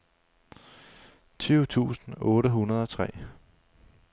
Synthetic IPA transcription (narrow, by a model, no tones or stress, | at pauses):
t͡sʰyːʊt͡sʰṵːsn̩ɔ̽ːɾəɦunɐð̞ˠɒ̽t͡sʰʁɛ̰ː